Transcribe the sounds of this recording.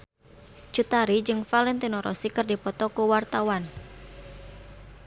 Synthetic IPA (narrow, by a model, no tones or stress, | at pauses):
t͡ʃut̪aɾid͡ʒɨŋfalɛnt̪inɔɾʔɔ̰sikɨrdipɔt̪ɔkuwart̪awan